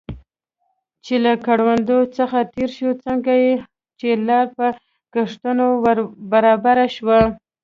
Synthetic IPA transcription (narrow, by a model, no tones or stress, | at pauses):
t͡ʃelakaɽwand̪ot͡səxat̪eɾʃot͡səŋɡaje | t͡ʃelɑɾpə | kaʂt̪ənowbaɾɑbaɾaʃwa